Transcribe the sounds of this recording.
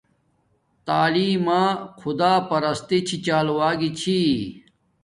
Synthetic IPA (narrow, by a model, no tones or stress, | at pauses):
t̪aːliːmãːkʰud̪aːpɐɾɐst̪it͡ɕʰit͡ɕaːluwaːɡit͡ɕʰi